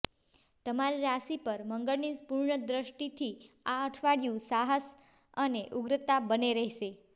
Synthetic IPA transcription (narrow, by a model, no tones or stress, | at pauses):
t̪əmaɾiɾasipəɾməŋɡəɭnipuɾɳəd̪ɾəʃʈit̪ʰi | aəʈʰʋaɽjũsaɦəs | əneʔuɡɾət̪abəneɾɛɦʃe